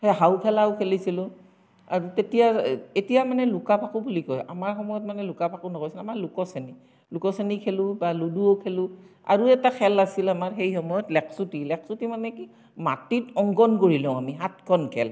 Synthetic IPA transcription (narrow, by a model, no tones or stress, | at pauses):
heɦawpʰɛlaʊkʰelisilʊ̃ | a̰ɹutetijaetijamanɛlʊkapʰakʊbulikɔja̰maɹxɔmɔjɔt̚manɛlʊkapʰakunɔkojsilamalʊkɔseni | lukɔsenikʰelʊbaluduokʰelʊ̃ | a̰ɹuɛtakʰɛlasilamaɹxejxɔmɔjɔtlɛkʰsutilɛksutimanɛki | ma̰titɔŋɡɔnkoɹilɔ̃ʊ̃amiɦat̚kʰɔnkʰɛ̰l